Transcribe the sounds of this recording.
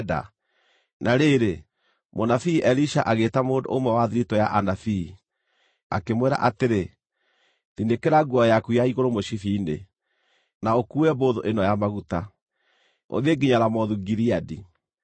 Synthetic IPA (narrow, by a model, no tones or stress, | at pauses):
da̰ | nʔaɾeːɾe | monafiːʔɛliʃaʔaɣeːtamoːndo̰omwɛwaðiɾitɔjaʔanafi | a̰kemwɛɾa̰ʔateɾe | ðindekeɾaɡwɔjakujaiɣoɾomoʃifiːnḛ | naokuɛboðoʔenɔjamaɣuta | o̰ðeɡiɲaɾamɔðuɡiɾiadi